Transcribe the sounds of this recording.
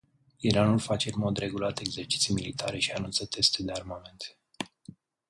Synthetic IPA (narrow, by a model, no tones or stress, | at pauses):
iɾanulfat͡ʃeɨnmo̞d̪ɾe̞ɡulat̪e̞ɡzert͡ʃi̥t̪sijmilit̪ʰaɾe̞ʃianunt̪sət̪e̞st̪ed̪earmame̞nt̪